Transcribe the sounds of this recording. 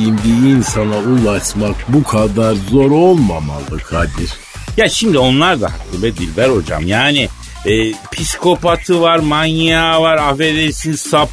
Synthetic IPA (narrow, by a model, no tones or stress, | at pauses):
imd̪iːnsanaulˠaʃmak̚bukʰad̪aɾzoɾolˠmama̰lˠɯkʰhad̪iɾ̥ | jaʃimd̪io̞nlˠaɾd̪ahakʰːɯbɛd̪ilvɛɾho̞d͡ʒa̰mjaːni | pʰiskʰo̞pʰat̪ʰɯvaɾmanjijavaɾafed̪esinsap